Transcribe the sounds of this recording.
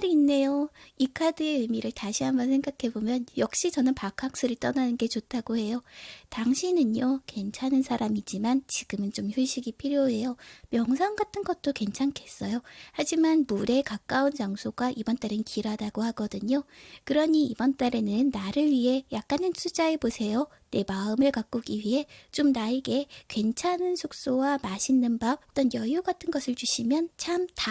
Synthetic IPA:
ɾiːnːe̞joikʰadɯe̞ɯmiɾɯɭtaɕʰiɦambʌnsʰe̞ŋɡakʰe̞bomjʌnjʌk̚ɕ͈it͡ɕʌnɯnpakʰak̚s͈ɯɾɯɭt͈ʌnanɯnɡe̞t͡ɕotʰaɡohe̞jotaŋɕʰinɯnjoke̞nt͡ɕʰanɯnsʰaɾamid͡ʑimant͡ɕiɡ̥ɯmɯnt͡ɕomçuɭɕ͈ʰiɡipʰiɾjoɦe̞jomjʌŋs̬ʰaŋɡatʰɯnɡʌt̚t͈oke̞nt͡ɕʰankʰe̞s͈ʌjohad͡ʑimanmuɾe̞kak͈aunt͡ɕaŋsʰoɡaʔibʌnt͈aɾennkʰiɾadaɡohaɡʌdɯɲokɯɾʌɲiːbʌnt͈aɾenɯnːaɾɯɭɥiɦe̞jak̚k͈anɯnt͡ɕʰud͡ʑaebosʰe̞jo | ne̞maɯmɯɭkak͈uɡiɥiɦe̞t͡ɕ͈omnaeɡe̞kwe̞nt͡ɕʰanɯnsʰok̚s͈owamaɕʰinːɯnbaʌt͈ʌnjʌjuɡatʰɯnɡʌsʰɯɭt͡ɕuɕʰimjʌnt͡ɕʰamta

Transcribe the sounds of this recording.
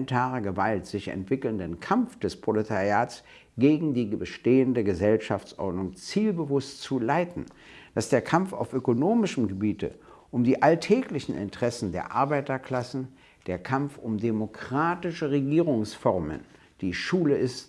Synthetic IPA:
ntʰaːʁəɡəvaltz̥ɪçɛ̰ntv̥ɪkl̩ndənkʰamfd̥ɛspʁ̥olitʰaʁiaːts | ɡ̥eːɡŋ̩diːbəʃteːəndəɡəzɛlʃaft͡sʔɔ̰ɐdnʊŋt͡siːlbəvʊstt͡sulaɪtn̩ | d̥asd̥eːɐkʰamfa̰ʊfʔøkonoːmɪʃəm̩ɡəbiːtʰə̰ | ʔʊmdiːʔaltʰɛːklɪçn̩ʔɪ̰ntʁ̥ɛsn̩deːɐʔaɐbaɪtɐkl̥asn̩ | d̥eːɐkʰamfʊmdemokʁ̥aːtɪʃəʁeɡiːʁʊŋsfɔʁmə̰n | d̥iːʃuːləɪst

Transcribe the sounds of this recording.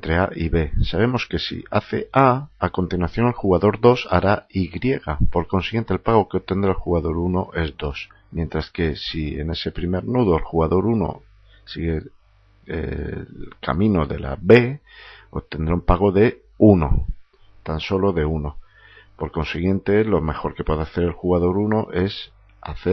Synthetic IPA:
nt̪ɾeaʔiβe̞saβ̞e̞mo̞ske̞sḭʔa̰θe̞̰ʔaako̞nt̪inwaθjo̞nelxuɣaðo̞ɾðo̞sa̰ɾaiɣɾjeɣapo̞ɾko̞nsiɣje̞nt̪elpaɣ̞o̞keo̞β̚t̪e̞nd̪ɾaelxuɣaðo̞ɾuno̞ʔe̞zd̪o̞s | mjẽ̞nt̪ɾaske̞sie̞̰ne̞se̞pɾime̞ɾnuð̞o̞elxuɣaðo̞ɾuno̞̰ | siɣe̞ | ḛ | ka̰mĩno̞ðe̞̰la̰be̞ot̪e̞nd̪ɾaumpaɣ̞o̞ðe̞ | uno̞̰ | t̪anso̞lo̞ðe̞uno̞ | po̞ɾko̞nsiɣ̞je̞nt̪e̞lo̞me̞xo̞ɾke̞pweðaθe̞ɾe̞lxuɣaðo̞ɾunoʔe̞s | a̰θe

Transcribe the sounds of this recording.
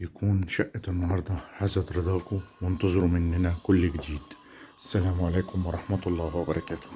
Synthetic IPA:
jakuːnʃaʔːat̪ɪnːhɑɾˤd̪ˤɑħasad̪ɾˤɑd̪aːkʊwɪnt̪ɑzˤɨɾumɪnhɪnakʊlːɡd̪iːd̪ | ʔasːalaːmʕaleːkʊmwɑɾˤɑħmat̪ɑlˤːɑːhwabɑɾˤɑkaːt̪ʊ̥h

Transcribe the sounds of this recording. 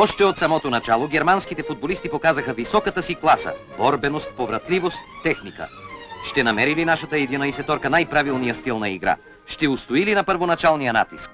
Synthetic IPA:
ɔʃt̪ɛot̪sɐmɔt̪onɐt͡ʃalˠoɡʲɛɾmanskit̪ɛfud̪̚bolist̪ipokazɐxəvisɔkət̪əsiklˠasə̰ | bɔɾbɛnost̪̚povɾɐt̪livost̪ːɛxnikə̰ʃt̪ɛnɐmɛɾilinaʃɐt̪əɛd̪inəisɛt̪ɔɾkənajpɾavilˠnijəst̪ilˠnɐḭɡɾa̰ | ʃt̪ɛust̪oilinɐpəɾvonat͡ʃalˠnijəna̰t̪isk̚

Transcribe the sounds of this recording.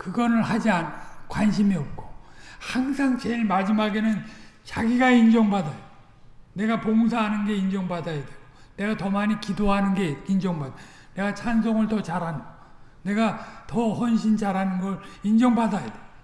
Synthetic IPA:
kɯɡʌnɯɭhad͡ʑiankwanɕ̬ʰimiʌp̚k͈ohaŋsʰaŋt͡ɕeɭmad͡ʑimaɡe̞nɯnt͡ɕaɡiɡaind͡ʑʌŋbadajʌo | ne̞ɡapoŋsʰaɦanɯnɡe̞ind͡ʑʌŋbadajadweɡ̥one̞ɡatʌmaɲikidoɦanɯnɡe̞ind͡ʑʌŋbada | ne̞ɡat͡ɕʰansʰoŋɯɭtʌt͡ɕaɾɦanɯɡʌ | ne̞ɡatʌhwʌnɕ̬ʰint͡ɕaɾɦanɯnɡʌɾind͡ʑʌŋbadajade

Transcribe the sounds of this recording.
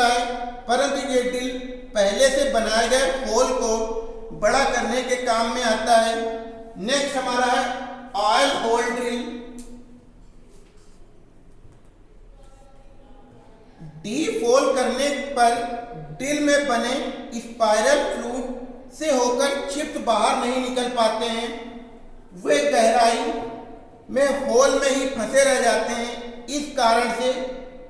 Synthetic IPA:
aɦɛːpɐɾə̃nt̪ujeɖɪl | pɛɦlesebɐnaːeɡɐepʰoːlko | bɐɽakɐɾnekekaːmːẽaːt̪aɦɛːneːksɐmaːɾaaːlɦoːlɖɪl | ɖiːfʰoːlkəɾnepəɾɖɪlmẽbəneɪspaːɪɾəlpɾuːʈseɦoːkəɾt͡ʃʰɪp̚t̪baːɦəɾnɐɦĩnɪkəlpaːt̪eɦɛ̃ː | ʋekɛɦɾaːi | mɛ̃ːfʰoːlmẽɦipʰɐseɾɛɦd͡ʒaːt̪eɦɛ̃ɪskaːɾəɽ̃seː

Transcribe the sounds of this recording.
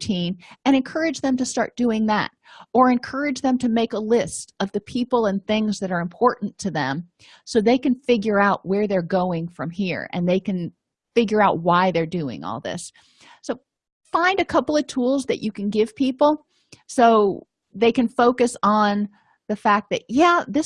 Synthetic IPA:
tʰĩnɨ̃ɾ̃ɨ̃nkʰɜ˞ɨd͡ʒðɨ̃mtɨstɑ̰ɹt̚d̥ʉɪ̃ŋðæ̰ɾ | ə˞ɨ̃nkʰɜ˞ɨd͡ʒðɨ̃mtʰɨmeɪkəlɪstʌvðɨpʰipl̩ˠə̃nθɪ̃ŋzðɨɾə˞ɨ̃mpʰɔɹʔn̩tʰɨðɨ̰̃m | soʊðeɪkɨ̃nfɪɡjə˞aʊʔ̚wə˞ðə˞ɡoʊɪ̃ŋfɹʌ̃mɦiɹɨ̰̃nðeɪkɨ̃n | fɪɡjə˞aʊt̚waɪðə˞dʉɪ̰̃ŋɔ̰lˠðɪ̰sː | oʊ | fãɪ̃ndɨkʰʌpl̩ˠʌv̥tʰulˠzðɨ̰t͡ʃɨkɨ̃n̩ɡɪv̥pʰipl̩ˠ | soʊ | ðeɪkɨ̃nfoʊkɨsn̩ | ðɨfæk̚ðɨʔ̚jæðɪ

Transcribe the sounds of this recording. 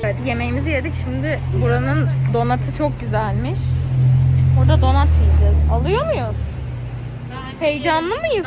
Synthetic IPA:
ed̪je̞me̞jimizijed̪icʃimd̪ɪ | buɾanɯnd̪o̞nat̪ʰɯt͡ʃʰo̞k̚ɟyzælʲmiʃ | buɾd̪ad̪o̞nat̪ʰijlʲd͡ʒɛzalˠɯjo̞mujʊz | sejd͡ʒanlːˠɯmɯjɯ

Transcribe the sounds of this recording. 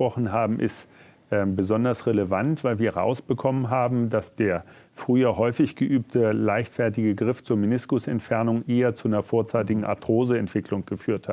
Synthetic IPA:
pʁ̥ɔχn̩ɦaːbm̩ʔɪ̰st | ʔɛːmbəzɔndɐsʁeləvantv̥aɪlviːɐʁa̰ʊsb̥əkʰɔmənɦaːbm̩dasd̥eːɐ | fʁ̥yːɐhɔʏfɪçɡ̥əʔyːp̚tʰəlaɪçtfɛɐtɪɡəɡʁɪft͡suːɐminɪskʊsɛ̰ntfɛɐnʊŋʔeːɐt͡suʔanɐfoːɐt͡saɪtɪɡŋ̩ʔa̰tʁ̥oːzəɛntv̥ɪklʊŋɡ̥əfyːɐthat

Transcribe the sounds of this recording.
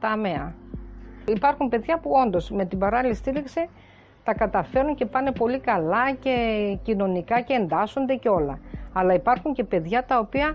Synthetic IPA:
t̪ɐmeɐ | ipɐɾxumpe̞ðʝɐpuo̞nd̪o̞sme̞t̪ibɐɾɐlilist̪iɾikse | t̪ɐkɐt̪ɐfe̞ɾuɲce̞pɐne̞po̞likɐlɐce̞cino̞nikɐce̞ːnd̪ɐso̞nd̪e̞ceo̞lɐɐlɐipɐɾxuɲce̞pe̞ðʝɐt̪ɐo̞piɐ

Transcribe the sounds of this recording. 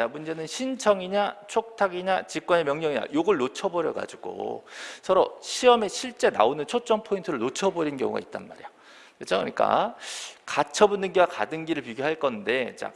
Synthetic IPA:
t͡ɕamund͡ʑe̞nɯnɕʰint͡ɕʰʌŋiɲat͡ɕʰok̚tʰaɡiɲat͡ɕik͈wʌne̞mjʌŋɲʌŋiɲa̰joɡɯɭnot͡ɕʰʌbʌɾjʌɡa̰d͡ʑiɡ̥o̰sʰʌɾoɕʰiʌme̞ɕʰiɭt͡ɕ͈e̞na̰onɯnt͡ɕʰot͡ɕ͈ʌnpʰointʰɯɾɯɭnot͡ɕʰʌboɾinkjʌŋṵɡa̰it̚t͈a̰nma̰ɾijo | et͡ɕ͈ʰʌŋɯ̰ɲik͈a̰ | kat͡ɕʰʌbunːɯnɡiɡwakadɯnɡiɾɯɭpiɡjoɦaɭk͈ʌnde̞t͡ɕa̰

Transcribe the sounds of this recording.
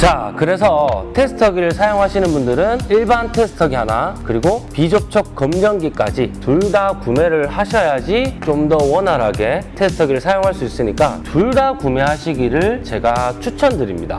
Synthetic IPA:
t͡ɕakɯɾe̞s̬ʰʌtʰe̞sʰɯ̥tʰʌɡiɾɯɭsʰajoŋɦaɕʰinɯnbundɯɾɯniɭbantʰe̞sʰɯ̥tʰʌɡiɦanakɯɾiɡopid͡ʑok̚t͡ɕʰʌk̚k͈ːʌmd͡ʑʌŋɡik͈a̰d͡ʑituɭdakume̞ɾɯɭhaɕʰʌjad͡ʑit͡ɕomdʌwʌnaɾɦaɡe̞tʰesʰɯ̥tʰʌɡiɾɯɭsʰajoŋɦaɭs͈uis͈ɯɲik͈a̰tuɭdakume̞ɦaɕʰiɡiɾɯɭt͡ɕe̞ɡat͡ɕʰut͡ɕʰʌndɯɾimɲida̰

